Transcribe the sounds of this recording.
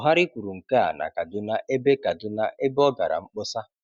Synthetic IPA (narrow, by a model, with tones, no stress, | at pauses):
ɔ˨ɦa˦ɾɪ˦kʷu˨ɾu˨ŋ̩˨ke˦a̰˨na̰˨ka˨dʊ˦na˦ʔe˦be˦ka˨dʊ˦na˦ʔe˦bɔ˦ɡa˨ɾa̰˨ŋ͡m̩˦k͡pʊ˦sa˦